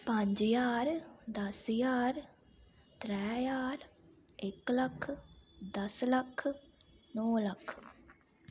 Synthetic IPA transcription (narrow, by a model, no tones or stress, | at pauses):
pə̃ɲd͡ʒjaːɾd̪əsjaːɾ | t̪ɾɛːjaːɾ | ɪkləkʰd̪əsləkʰ | noːləkʰ